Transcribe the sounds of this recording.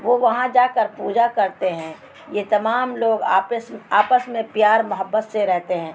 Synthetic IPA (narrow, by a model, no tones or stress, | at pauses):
ʋoʋɐɦãd͡ʒaːkəɾpuːd͡ʒakɐɾt̪eɦɛ̃ | jet̪ɐmaːmloːɡaːpsaːpəsmẽpjaːɾmʊɦəbːət̪seɾɛɦt̪eɦɛ̃ː